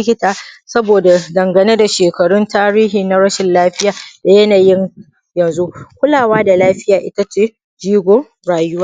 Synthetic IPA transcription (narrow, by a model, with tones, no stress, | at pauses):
ɪ˦kʲɪ˦taː˨sɐ˦boː˨da˨dɐ˨ŋɡɐ˨ne˦da˨ʃeː˨kɐ˨ɽʊ˦ntaː˦ɽiː˦ɦiː˨na˨˦ɽɐ˦ʃɪ˨nlaː˦ɸɪ˦jaː˨da˨jɐ˦naː˨jɪ˦ŋ | jɐ˨nzu˦kʷʊ˦laː˨waː˦da˨laː˦ɸɪ˦jaː˨ʔɪ˦ta˦t͡ʃeː˦ | d͡ʒiː˦ɡʷoː˨ | ɽaː˨jʊ˦waː˦